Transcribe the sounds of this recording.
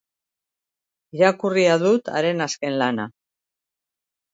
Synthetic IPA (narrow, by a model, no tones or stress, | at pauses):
iɾakuriaðut̪a̰ɾe̞naske̞nlana̰